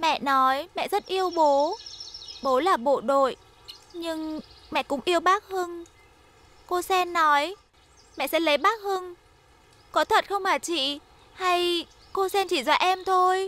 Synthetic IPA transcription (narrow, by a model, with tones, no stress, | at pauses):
mɛ̰˧˨nɔ˨˦jmɛ̰˧˨zt̚ʔi˧əwɓo˨˦ | ɓo˨˦laː˨˩ɓo̰˧˨ɗo̰˧˨j | ɲɨ˧ŋmɛ̰˧˨kʊ̰˧˥ŋ͡mʔi˧əwɓaː˦˥k̚hɨ˧n | ko˧sɛ˧nːɔ˨˦j | mɛ̰˧˨sɛ̰˧˥lə˨˦jɓaː˦˥k̚hɨ˧ŋ | kɔ˨˦t̪ʰwə˨˩t̚xə˧wŋ͡mmaː˨˩t͡ɕḭ˧˨ | ha˧j | ko˧sɛ˧nt͡ɕi˧˩zwaː˧˦ʔɛ˧mt̪ʰo˧j